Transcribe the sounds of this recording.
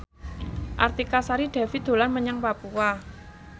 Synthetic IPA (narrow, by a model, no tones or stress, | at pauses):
ʔa̰rt̪ikasaɾid̥a̤fit̪d̪̥o̤lanməɲaŋpapua